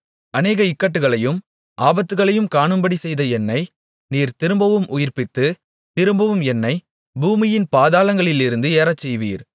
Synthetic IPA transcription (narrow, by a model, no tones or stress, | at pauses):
ɐneːɣɐɪkːɐʈ̬ːɯɣɐɭɐjɯm | ʔaːbɐt̪ːɯɣɐɭɐjɯmkaːɳɯmbɐɽisɛjðɐɛnːɐɪ | niːɾt̪ɪɾɯmbɐʋɯmʔʊjɪɾpɪt̪ːɯ | t̪ɪɾɯmbɐʋɯmɛnːɐɪ | buːmɪjɪnpaːðaːlɐŋɡɐɭɪlɪɾɯnd̪ɯeːɾɐt͡ʃːɛjʋḭːɾ